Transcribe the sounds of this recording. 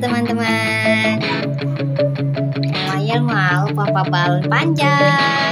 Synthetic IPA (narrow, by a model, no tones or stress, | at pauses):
t̪əmant̪əma | n | wajalmaupapabalpaɲd͡ʒa